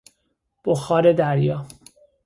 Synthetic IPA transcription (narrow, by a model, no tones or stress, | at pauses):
b̥oxɒːɾed̪æɾjɒː